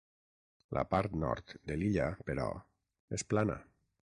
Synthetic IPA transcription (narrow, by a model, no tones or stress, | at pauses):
lʔə̰paɾt̪nɔ̰ɾt̪d̪eliʎapeɾɔ̰ | esplana̰